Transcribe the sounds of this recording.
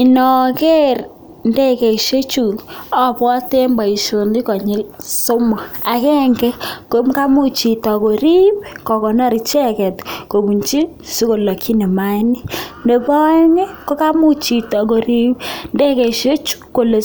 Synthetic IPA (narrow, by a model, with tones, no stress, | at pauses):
i˨nɔ˨ke˦r | nde˦ke˨ʃo˦t͡ʃu˨ɔ˦pɔ˦te˦mba˨i˨ʃo˨ndi˦kɔ˨ɲɪ˦so˦mɔ˨a˨kɛ˦ŋɡɛ˦ko˨˦mka˦mu˦t͡ʃi˨ta˨ko˨ɾi˦pkɔ˨kɔ˨nɔ˦ɾi˨t͡ʃɛ˦kɛ˨tko˨ku˨ɲt͡ʃi˦ | su˦ko˨lɔ˨kʰi˦ne˨ma˦ni˦nde˨pɔ˦ɲe˦ko˦ka˦mu˦t͡ʃi˨tɔ˨k̬o˨ɾi˦pnde˦ke˨ʃo˦t͡ʃu̥˦ko˨le˨